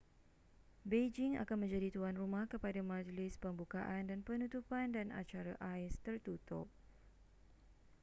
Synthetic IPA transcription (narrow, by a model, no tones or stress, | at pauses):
bed͡ʒɪŋa̰kanmə̃ɲd͡ʒadit̪uanrumãhkəpadamad͡ʒlɪspəmbukaʔandanpənut̪upandana̰t͡ʃaɾaʔaɪst̪ərt̪ut̪ʊ̰p̚